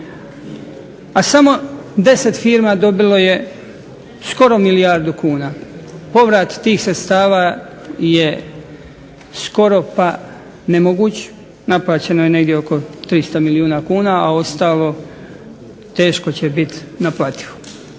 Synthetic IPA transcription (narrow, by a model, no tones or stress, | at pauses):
asamo̞d̪e̞se̞t̪fiːɾmad̪o̞bilo̞je̞ | sko̞ɾo̞miliaɾd̪ukuːnaːpo̞ʋɾat̪ːiːxsɾet̪st̪aːʋa | je | sko̞ɾo̞pa | nemoɡuːt͡ɕ | naplˠaːt͡ɕe̞nojene̞ɡd̪jeoko̞t̪ɾist̪amiliuːnakuːnaʔao̞st̪aːlˠo̞ | t̪e̞ːʃkot͡ɕebit̪ | naplˠaːt̪i̥ʋu̥